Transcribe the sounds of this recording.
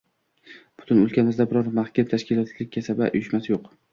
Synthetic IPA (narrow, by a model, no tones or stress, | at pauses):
b̥ʊ̥t̪ʰʊnʊlkʲʰamɪzd̪abɪɾɒɾmaχkʲʰamt̪ʰaʃkʲɪlˠɒt̪lɪk̚ʲkʰʲːasabaʔʊ̰jɪʃmasɪjoq